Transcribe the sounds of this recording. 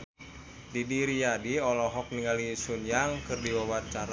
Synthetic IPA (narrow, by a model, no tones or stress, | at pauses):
didiɾijadiɔlɔɦɔk̚niŋɡalisunjaŋkɨrdiwawat͡ʃaɾa